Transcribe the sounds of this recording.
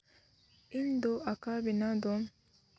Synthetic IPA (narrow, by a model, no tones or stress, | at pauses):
ind̪oʔakabinad̪o